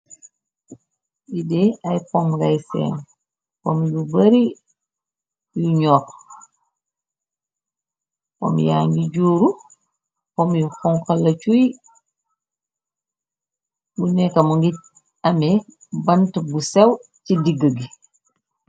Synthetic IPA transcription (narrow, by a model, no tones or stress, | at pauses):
bideajpɔmɡajsḛːn | komjubɐɾi | juɲɔk | ko̰mja̰ŋɡiɟuːɾu | komjukɔŋkɐlɐt͡ʃuj | bunɛkamuŋɡi | ɐme | bɐntbusew | cidiɡəɡi